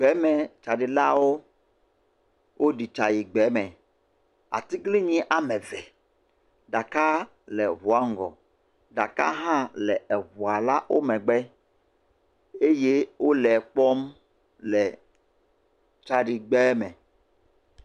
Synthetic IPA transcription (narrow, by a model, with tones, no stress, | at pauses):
ɡ͡bɛ˨˦mɛ̃˨t͡ʃa˨ɖi˨la˦wo˦ | wʔo˦ɖi˨t͡ʃa˨ji˨ɡ͡bɛ˨˦mɛ̃˨ | a̰˨t̪i˦ɡli˦ɲĩ˦ʔa˨mɛ̃˨vɛ˨ | ɖa˨ka˦ | lɛ˨βu˨a˨ŋ˨ɡɔ̰˨ | ɖa˨ka̰˦ɦã˦lɛ˨ɛ˨βu˨a˨la˦wʔo˦mɛ̃˨ɡ͡bɛ˦ | e˦je˦wo˦lɛ˨k͡pɔ˦m | lɛ˨ | t͡ʃa˨ɖi˨ɡ͡bɛ˦mɛ̃˨